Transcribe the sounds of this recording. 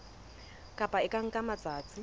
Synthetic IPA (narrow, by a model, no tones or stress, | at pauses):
kʼapʼaɪkʼaŋ̩kʼamat͡sʼaːt͡sʼɪ